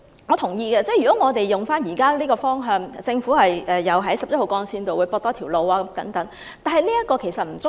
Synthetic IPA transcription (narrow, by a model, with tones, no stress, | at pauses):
ŋɔ˨˧t̪ʰʊ˨˩ŋjiː˧ɡɛː˧t͡sɛː˥˩jyː˨˩ɔ˨˦˥ŋɔː˨˧t̪e˨jjʊ˨ŋfaː˥njiː˨˩kaː˥liː˥kɔː˧fɔː˥ŋɦœː˧ŋt͡sɪ˧ŋfuː˨˥hɐ˨jʔɛː˨jɐ˨˧wɦɐ˨˥jsɐ˨p̚jɐ˥ho˨wkɔː˧nsiː˧nt̪o˨wuː˨˧jpɔː˧t̪ɔː˥t̪ʰiː˨˩wlo˨˧waː˧kɐ˨˦mt̪ɐ˨˥ŋt̪ɐ˨˥ŋ | t̪aː˨˩nhɐ˨˧jliː˥jɐ˥t̚kːɔː˧kʰe˨˩jsɐ˨t̚m̩˨˩t͡sʊ˥